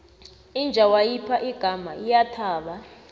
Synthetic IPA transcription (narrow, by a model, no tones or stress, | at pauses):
ind͡ʒʱawajipʰaʔiɡ̥ʱamaijatʰaːɓa